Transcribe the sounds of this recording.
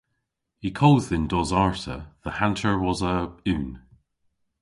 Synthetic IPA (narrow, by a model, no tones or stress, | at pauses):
hikʰɔːlˠdðɪ̃ndɔzaɹtə̰ðəhãntʰə˞wɒzəʉːn